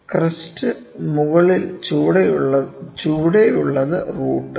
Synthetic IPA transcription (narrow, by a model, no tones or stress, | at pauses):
krɐstɨ | muɣɐɭilt͡ɕuːɽejɭːɐt͡ɕuːɽejuɭːɐðɨruːʈːɨ